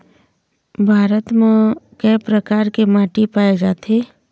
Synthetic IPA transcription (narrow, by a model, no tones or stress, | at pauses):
bʱaːɾət̪mẽkɛːpɾəkaːɾkemãːʈipaːjed͡ʒaːt̪eː